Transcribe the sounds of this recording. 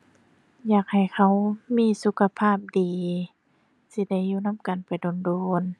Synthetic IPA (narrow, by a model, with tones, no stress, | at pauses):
jaː˨˩k̚ha˨˩jkʰa˧˩˨wmiː˧˥˨su˧˦kʰa˧pʰaː˥˩p̚diː˨ | si˧˦da˧˩juː˧˨na˧˥˨mka˨npa˨jdoː˨ndoː˨n